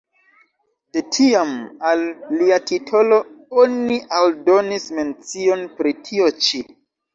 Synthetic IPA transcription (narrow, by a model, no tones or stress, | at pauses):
d̥e̞tʰiamalːiatitʰo̞lo̞oniʔaldo̞nisme̞nt͡sio̞npɾitʰio̞t͡ʃi